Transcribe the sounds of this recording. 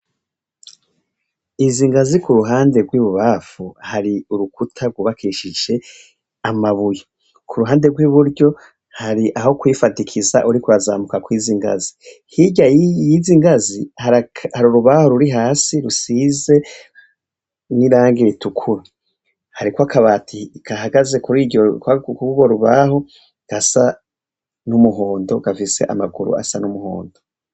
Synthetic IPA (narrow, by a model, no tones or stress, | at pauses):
iziŋɡazikuɾuɦaːnde̞ɡwiːβuβaːfuhaɾiuɾukutʰaɾɡwuːβakʰiːʃid͡ʒe̞ | amaβuje | kʰuɾuɦaːnde̞ɾɡwiβuɾɟo̞ | haɾiʔaho̞kwiːfatikʰizaʔuɾikuaza̰ːmukakwiːziŋɡa̰zi | hiɟajiziŋɡazihaɾahaɾuɾuβaho̞ɾuɾiɦaːsiɾusize̞ | niɾaːŋɡitukʰuɾi | haɾikoakaβatʰikʰaɦaɡaze̞kuɾiokkuɡuβoɾuβaho̞ | ɡ̥asa | numuɦo̞ːndo̞ɡ̥afise̞̰ʔa̰maɡuɾṵa̰sanumuho̰ːndo